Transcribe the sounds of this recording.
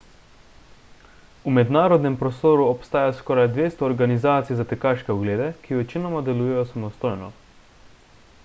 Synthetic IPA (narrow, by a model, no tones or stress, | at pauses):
umɛd̪naːɾɔd̪nɛmpɾɔst̪oːɾuɔpst̪aːjaskɔːɾajd̪ʋeːst̪ɔːɾɡanizaːt̪sijzat̪ɛkaːʃkɛɔɡleːd̪ɛkiʋɛt͡ʃinɔmad̪ɛluːjɛjɔsamɔst̪oːjnɔ